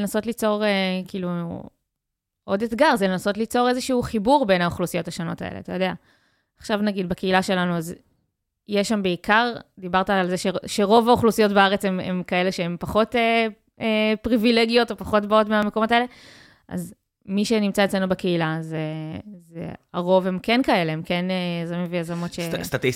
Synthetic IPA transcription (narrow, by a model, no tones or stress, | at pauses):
enaso̞tlit͡so̞ʁekiːlu | ʔo̞d̪et̪ɡaʁzelenaso̞tlit͡so̞ʁe̞zeʃuuχibuʁbe̞naoχlusijo̞thaʃono̞ta̰ḛlea̰t̪ajo̞dea | aχʃavnaɡid̪bake̞ilaʃe̞lanuaz | jeʃambe̞ikaʁd̪ibaʁtaːlzeʃeʃeʁo̞vaoχlusijo̞tbeaʁet͡semḛmkae̞le̞ʃeempaχo̞te | epʁivileɡijo̞to̞paχo̞tbaotmeamekomo̞taele̞ | ʔa̰z | miʃe̞nimt͡saet͡sslenubeke̞ilazezḛaʁo̞ve̞mkenkae̞leemke̞nejazamĩmvejazamo̞tʃest̪at̪i